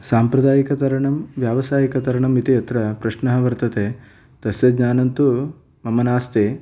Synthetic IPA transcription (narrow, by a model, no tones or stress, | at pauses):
saːmpɾɐd̪aːjikɐt̪ɐɾɐɳɐmʋjaːʋɐsaːjikɐt̪ɐɾɐɳɐmit̪ijɐt̪ɾɐpɾɐʃɳɐɦɐʋɐɾt̪ɐt̪eː | t̪ɐsjɐd̪ɲaːnɐnt̪u | mɐmɐnaːst̪eː